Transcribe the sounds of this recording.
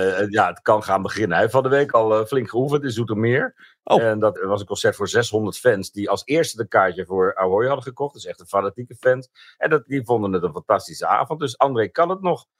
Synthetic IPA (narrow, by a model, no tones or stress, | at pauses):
jaətkɑnχaːnbəχɪnəɛbəfɑndəʋejkɑlˠflɪŋkχəufəntɪszutɔmɪːɹ | dɑtʋɑsənkɔ̃nsɛɹtfʊːɹzɛsɦɔndəɹtfɛnsdiɑlˠsɪːɹstədəkaːɹcəvʊːɹawɦɔjɦɑdəχəkɔχt̚dəsɛχtənfanatikəfɛns | ɛnddivondənətənfɑntɑstisəa̰ːvʊnt̚døs̬ɑndrejkɑnət̚nɔχ